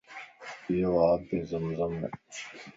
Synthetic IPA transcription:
joːaːpeːzɐmzɐm

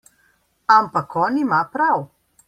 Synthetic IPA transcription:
ampakʰɔːnimapɾaw

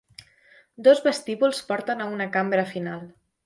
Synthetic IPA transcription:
d̪ozβəst̪iβulˠspɔɾt̪ənaunəkambɾəfinalˠ

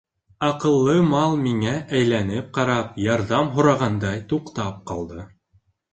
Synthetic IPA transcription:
ɑqɤ̆lˠːɤmɑlˠmiŋæʔæjlænɘp̚qɑɾɑpjɑɾðɑmɦŏɾɑʁɑnd̪ɑjt̪uqt̪ɑp̚qɑlˠd̪ɤ

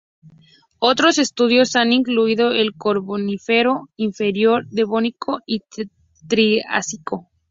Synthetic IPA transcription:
o̞t̪ɾo̞se̞st̪uðjo̞saniŋkluiðo̞elkoɾβonifeɾo̞iɱfe̞ɾjo̞ɾðe̞βonikʰoi | t̪ɾia̰siko̞

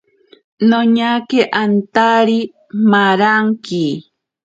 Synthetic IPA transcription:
noɲakeʔant̪aɾi | maɾaŋki

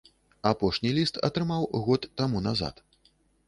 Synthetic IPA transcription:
apɔʂnʲilʲist̪ɐ̰t̪ɾɨmawɣɔt̪ːamunaza̰t̪

